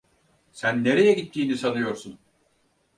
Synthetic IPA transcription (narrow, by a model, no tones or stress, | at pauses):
sænːe̞ɾejɛɟit̪ʰːiːnisanɯjo̞ɾsun